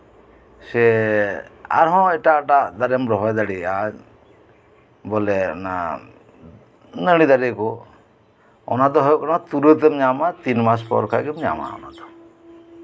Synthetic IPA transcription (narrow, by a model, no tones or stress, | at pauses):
se | a̰ɾɦɔ̃ɛʈaʈad̪aɾemɾɔɦɔjd̪aɽiaɲ | bɔlɛna̰ | nəɽ̃id̪aɾekɔ | ɔ̰nad̪ɔɦɔjkɔnat̪uɾət̪̬emɲamat̪inmaspɔ̰ɾkʰaɡimɲa̰ma̰ɔ̰na̰d̪ɔ̥